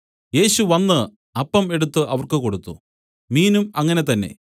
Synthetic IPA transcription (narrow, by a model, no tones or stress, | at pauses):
je̞ːɕuʋɐnːɨ | ɐpːɐme̞ɽut̪ːɨʔɐʋɐrkɨko̞ɽut̪ːṵ | miːnumɐŋːɐne̞t̪ɐnːe̞̰